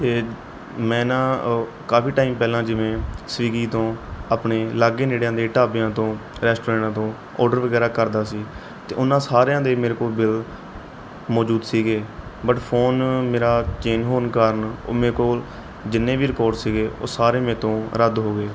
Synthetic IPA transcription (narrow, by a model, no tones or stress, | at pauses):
t̪eː | mɛ̃ːnãː | kaːfiːʈaːiːmpɛːlãːd͡ʒɪʋẽːsəʋiːɡiːt̪õːapneːlaːɡeːneːɽjãːd̪eːʈaːbjãːt̪õːɾɛːsʈoːɛ̃ːɳʈãːt̪õː | ɔ̰ːɾɖəɾʋəɡɛːɾaːkəɾd̪aːsiː | t̪eːʔʊnːãːsaːɾejãːd̪eːmeːɾeːkoːlbɪl | mɔːd͡ʒuːd̪siːɡeːbəʈpʰoːnmeːɾaːt͡ʃeːnɦoːnkaːɾəno̰ːmeːɾkoːl | d͡ʒɪnːẽːʋiːɾɪkɔːɾɖsiːɡeːʔo̰ːsaːɾeːmɛ̃ːt̪õːɾəd̪ɦoːɡeː